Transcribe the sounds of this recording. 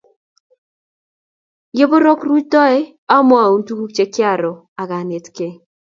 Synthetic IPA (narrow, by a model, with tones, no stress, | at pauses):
je˦bo˦ɾo˦kru˦t͡ʃdɔ˦ɛ˦ | a˦mɔ˦a˨u˦ntu˦ku˦k̚t͡ʃe˦kɪ˦a˦˨ɾɔ˨ | a˨ɡa˨ne˨tke˨